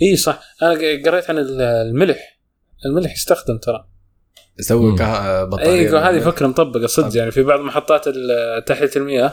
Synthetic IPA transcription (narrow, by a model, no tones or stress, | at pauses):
ʔiːsˤɑħʔanaɡɑɾˤːeːt̪ʕanɪllmɪlħ | ʔɪlmɪlħjɪst̪axd̪ɪmt̪ʰɑɾˤɑ | ʔasawːikabtʔiːɦaːðifakɾˤɑmʊt̪ˤɑbːɪqɑsˤɨd̪jaʕnifibɑʕðˤlmɑħɑt̪ˤːɑːt̪ɪlt̪ːaħjat̪ɪlmɪjʔa